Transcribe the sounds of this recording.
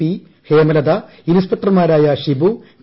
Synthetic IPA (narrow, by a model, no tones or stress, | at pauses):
i | heːmɐlɐd̪a | inuspɐt̪rɐmaːɾaːjɐɕibu